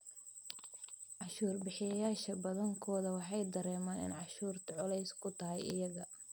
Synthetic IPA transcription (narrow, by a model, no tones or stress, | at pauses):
ʕɑʃuːrbɪħɪjɐjaːʃɐbɐðɐŋkʰɔːðɐwɑħɑjd̪ɐɾɛːmaːnɪ̰nʕɑʃuːrt̪ʰɐʕʊlɛjskʰʊt̪ʰɐɦɛjɪ̰jɐɣɐ